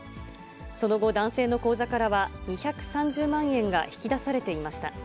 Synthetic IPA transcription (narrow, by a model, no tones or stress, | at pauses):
so̞no̞ɡo̞d̪ãɰ̃se̞ːno̞ko̞ːzakaɾaβaɲ̟içakɯ̟̥sãɲ̟d͡ʑɨːmãɰ̃ẽ̞ŋɡa̰çi̥kʲid̪asaɾe̞t̪e̞imaɕi̥t̪a̰